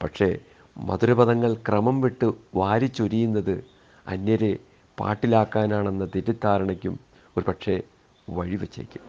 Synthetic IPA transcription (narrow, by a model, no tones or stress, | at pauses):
pɐʈʂe̞ | mɐ̰ðuɾɐbɐðɐŋːɐɭkrɐmɐmʋiʈːɨʋaːɾit͡ɕːoɾijunːɐðɨ | ɐ̰nːɐɾe | pa̰ːʈːilaːkːaːnaːɳe̞nːɐt̪iɾɐt̪ːaːɾɐɳɐkʲːum | o̞ɾupɐʈʂe̞ | ʋɐɻiʋet͡ɕːɐ̰ɾḭkʲːum